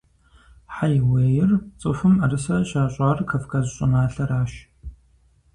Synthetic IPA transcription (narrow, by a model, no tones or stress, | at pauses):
ħajwejɪrt͡sʼɨfɨmarɨsɐɕaːɕʷʼarkʰɐfkʰɐzɕʼɨnaːɬɐɾaːʃ